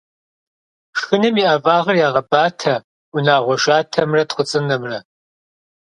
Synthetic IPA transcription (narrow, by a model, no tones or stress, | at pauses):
ʂxɨnɐmiːʔɐvʼaːʁɐrjaːʁɐbaːtʰɐ | ʊnaːʁʷɔʃaːtʰɐmrɐtχʷʊt͡sʼɨnɐmrɐ